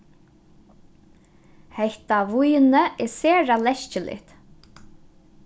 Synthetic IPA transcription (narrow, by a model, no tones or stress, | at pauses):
hɛht̪aʋujnəɛseːɾalɛʃcəlʔɪ̰ht̪